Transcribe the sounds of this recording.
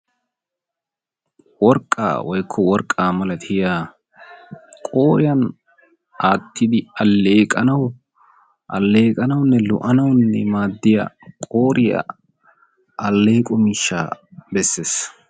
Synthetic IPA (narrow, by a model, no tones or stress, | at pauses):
wɔɾkʼːa̰ːwɔjkʰːɔwɔɾkʼːaːmɐlɐt̪ʰɪjaː | kʼoːɾɪjɐn | aːt̪ːɪd̪ɪɐlːeːkʼɐnɐw | ʔɐ̰lːe̞ːkʼɐnɐwnːɛlʊ̰ʔɐnɐwnːɛ̰maːd̪ːɪja̰kʼo̞ːɾɪjɐ̰ | ʔɐlːe̞ːkʼɔmɪʃːa̰ːbɛsːe̞ːs